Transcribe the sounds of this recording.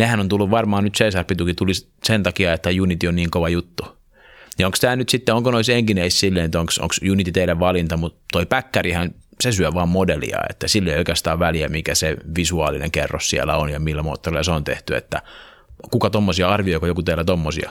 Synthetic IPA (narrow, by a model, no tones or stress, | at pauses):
nehænont̪ulːuʋʋɑrmɑːnnyt̪seisɑrpit̪ukit̪ulis | sent̪ɑkiɑet̪ːæjunit̪ionniːŋkoʋɑjut̪ːu | nioŋkst̪æːnyt̪sit̪ːeoŋkonoiseŋkineissilːeinet̪oŋkso̰ŋksjunit̪it̪eilæʋʋɑlint̪ɑmut̪t̪ːoipækːærihɑnsesyæʋɑːmmodelḭɑ̰ḛt̪ːæsilːeioikæst̪ɑːʋʋæliæ̰mikæseʋisuɑ̰ːlinḛŋkḛrːossiæ̰lːˑæ̰onjɑmilːæmo̰ːt̪ːorilːˑɑseont̪ḛht̪yḛt̪ːæ̰ | kukɑt̪omːosiɑɑrʋioikojokut̪eilːæt̪omːosiɑ̰